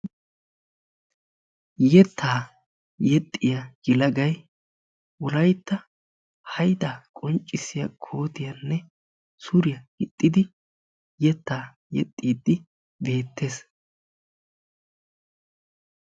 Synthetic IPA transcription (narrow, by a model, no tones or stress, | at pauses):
jɛt̪ːaː | jɛt̪ʼːɪjɐɡɪlɐɡɐj | wɔlɐjt̪ːɐ | hɐjd̪akʼɔnt͡ʃʼːɪsɪjɐ̰kʰo̞ːt̪ɪjɐnːɛ | sʊɾɪjɐɪt̪ʼːɪd̪ɪ | jɛt̪ːaː | jɛ̰t̪ʼːiːd̪ɪ | be̞ːt̪ʰːe̞ːs